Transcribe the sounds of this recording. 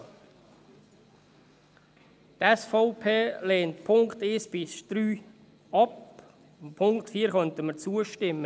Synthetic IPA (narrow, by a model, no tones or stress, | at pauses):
t̪ɛsfoʊpʰeːleːntpʰʊŋkteːsb̥ɪsd̥ɾyː | ɑp | mpʰʊŋktfiːəɾχœntəməɾt͡suəʃtɪmːə